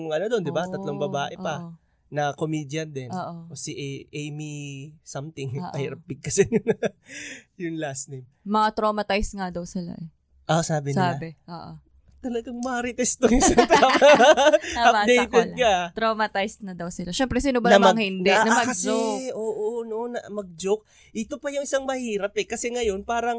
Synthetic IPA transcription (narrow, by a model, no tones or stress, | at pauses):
ŋʔɐnod̪ond̪ɪbaɐt̪loŋbɐbaːʔɛʔpɐ | nɐkomiːd̪jɐnd̪ɛnoːʔoosiʔʔejmisɐmt̪ɪŋʔɐiɾɐp̚ːɪɡ̚kɐsɛnɐ | jʊŋlasnejm | mɐŋat̪ɾomɐt̪ajsŋad̪ɐwsɪla̰ʔɛ | ʔosaːbɪnsɪalːabɛʔo̰ːʔo̰ | t̪ɐlɐɡaŋmɐɾɪt̪ɛst̪ojʊsaŋt̪am | ɐɐpːd̪et̪ɛlkat̪ɾomɐt̪ajsnɐd̪ɐwsɪlaʃɛmpɾɛsinobɐnɐmmɐŋhɪnd̪ɛnɐmɐɡkɐsd͡ʒoʔoːʔonoʔonɐmɐɡ̚d͡ʒok̚ | ʔɪt̪opɐjʊŋɪsaŋmɐhiːɾɐp̚ɛkɐsɛŋɐjo̞npaːɾɐŋ